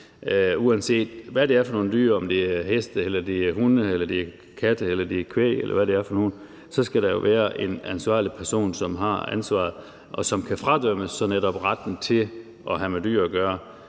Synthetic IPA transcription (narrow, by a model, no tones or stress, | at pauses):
uænse̝̰ːd̥ʋæɾ̥e̝æɐfɒ̽no̝ːn̩d̥yːɐ̰ɒ̽md̥e̝æɐhesd̥əelɐd̥e̝æɐhunəelɐd̥e̝æɐ | kʰæd̥əelɐd̥e̝ɐkʰʋḛːelʔɐ̰ʋæɾ̥e̝æɐfɒ̽noːn̩ | sɒ̽sɡ̥æɾ̥ɑ̈jo̝ʋʔæːɐʔe̝nænsʋɑ̰̈ːlipʰæɐso̝̰ːnsɒ̽mɦɑ̈ænsʋɑ̰̈ːð̩ˠ | ʔɒ̽sɒ̽mkʰæfʁɑ̈d̥œm̰əsːɒ̽neɾɒ̽b̥ʁɑd̥n̩t͡sʰe̝ | ʔɒ̽ɦæmed̥y̰ɐ̰ɡ̥ɶːɐ